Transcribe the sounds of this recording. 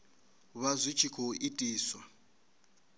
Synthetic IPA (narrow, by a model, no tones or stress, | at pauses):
βazʷit͡ʃʰikʰoitʼiːswa